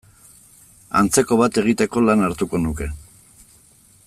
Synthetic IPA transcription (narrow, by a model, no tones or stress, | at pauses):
a̰nt͡se̞ko̞βat̪e̞ɣ̞it̪e̞ko̞lanaɾt̪uko̞nuke̞